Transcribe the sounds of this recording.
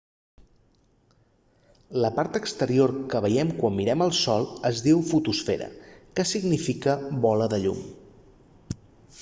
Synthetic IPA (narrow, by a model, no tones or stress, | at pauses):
ləpaɾt̪əkst̪əɾioɾkəβəjɛmkwamːiɾɛməlˠsɔlˠəzðiwfut̪usfɛɾə̰kəsiɡnifikəβɔləðəʎṵm